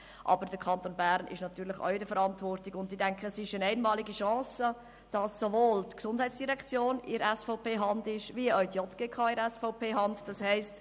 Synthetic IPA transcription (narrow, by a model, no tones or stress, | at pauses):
ʔɑ̰bəɾd̥əɾkʰɑntoːnbæɾnʔɪ̰ʃnɑt̪yːɾlɪχɔ̰ʊdəfəɾɑntvɔɾtɪɡʊndɪdɛŋkχəsɪʃənæɪnmɑːliɡiʃɑ̃ːsə | d̥ɑsːovoːltksʊnd̥ɦɛɪtt͡sd̥iʁɛkt͡sjoːnɪɾɛsfɔʊpeːɦɑndɪʃviəɔʏtjɔtɡ̥ekʰɑːɪɾɛsfɔʊpʰeːɦɑndd̥ɑshɛɪst